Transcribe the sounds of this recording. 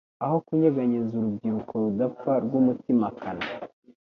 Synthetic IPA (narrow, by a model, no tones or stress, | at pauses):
aho̞kuɲeɡaɲizuɾubɡiɾukʰo̞ɾudafaɾɡumutimakʰana